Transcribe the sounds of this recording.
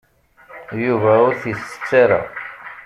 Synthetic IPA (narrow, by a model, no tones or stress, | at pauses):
juvæʊɾθisə̥t͡sːaɾa̰